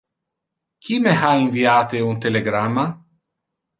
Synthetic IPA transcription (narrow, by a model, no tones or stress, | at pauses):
kʰimehaiɱviaːt̪eunt̪eleɡɾamːa